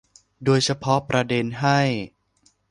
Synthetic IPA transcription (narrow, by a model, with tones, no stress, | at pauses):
doː˧jt͡ɕʰa˧pʰɔ˦˥pɾa˧de˧nɦa˥˩j